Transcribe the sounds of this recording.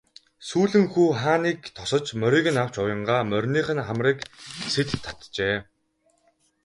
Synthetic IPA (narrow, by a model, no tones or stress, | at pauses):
suːɮɘ̆ŋxuːχaːniːkt̪ʰɔsɞ̆t͡ɕmœɾʲiːɣɘ̆naw̥t͡ɕʊjə̆ɴɢaːmœrʲniːχɘ̆nχamriːkset̪t̪ʰːḁt̪t͡ɕeː